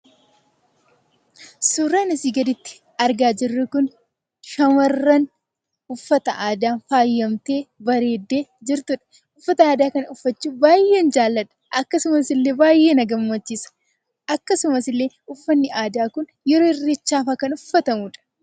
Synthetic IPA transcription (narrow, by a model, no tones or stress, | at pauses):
suːɾaːnɐsiɡɐd̪ɪt̪ːɪ̥ | ɐɾɡaːd͡ʒɪrːɛkʊn | ʃɐmɐrːɐn | ʊfːɐt̪ɐʔaːd̪aːnfaːjːɐmt̪e̞ːbɐɾe̞ːd̪ːe̞ːd͡ʒɪɾt̪ʊᶑɐ̥ | ʊfːɐt̪ɐaːd̪aːkɐnɐʊfːɐt͡ʃːuːbaːje̞ːnd͡ʒaːlːɐᶑ̪ɐ̥ʔɐkːɐsʊmɐsɪlːe̞ːbaːjʔe̞ːnɐɡɐmːɐt͡ʃːiːsɐ̥ | ʔɐkːɐsʊmɐsɪlːe̞ːʊfːɐnːɪʔaːd̪aːkʊn | jɛɾoːɪrːet͡ʃːaːfaːkɐnʊfːɐt̪ɐmʊᶑɐ̥